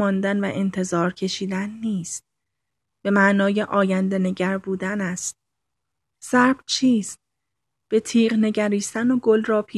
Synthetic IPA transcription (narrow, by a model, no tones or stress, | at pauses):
ɒːnd̪ænvæʔe̞nt̪ʰe̞zɒːɾcʰe̞ʃiːd̪ænːiːst̪̚ | b̥e̞mæʔnɒːje̞ʔɒːjænd̪e̞ne̞ɟæɾbuːd̪ænæst̪̚ | sæɾb̥t͡ʃʰiːst̪̚ | b̥e̞t̪ʰiːʁne̞ɟæɾiːst̪ænoɡolrɒːpʰiː